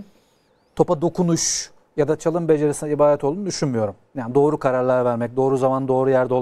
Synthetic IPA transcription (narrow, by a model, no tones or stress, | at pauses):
t̪ʰo̞pad̪o̞kʰunuʃ | jad̪at͡ʃʰalˠɯmbe̞d͡ʒe̞ɾesinɛibaːd̪ɛt̪ʰo̞lˠunud̪yʃynmyjo̞ɾumjaːnd̪o̞ːɾukʰaɾaɾlʲˠaɾvæɾmɛc̚d̪o̞ːɾuzamand̪o̞ːɾujæɾd̪o̞